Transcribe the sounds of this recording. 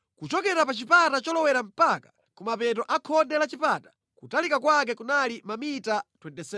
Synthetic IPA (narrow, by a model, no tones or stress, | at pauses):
kut͡ʃɔkɛɾapat͡ʃipatat͡ʃɔlɔwɛɾam̩pakḁ | kumapɛtɔʔakʰɔndɛlat͡ʃipatḁ | kutalikakwak̬ɛkunalimamitatwɛntɛsɛ